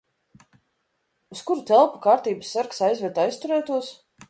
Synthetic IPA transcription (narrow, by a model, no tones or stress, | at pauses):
uskuɾt̪ɛlˠpakaːɾt̪iːbɨsːaɾksajzvʲɛt̪jst̪uɾɛːt̪uɔs